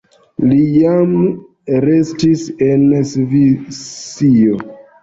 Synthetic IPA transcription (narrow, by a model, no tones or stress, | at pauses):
lijam | ɾe̞stise̞nsvit͡sio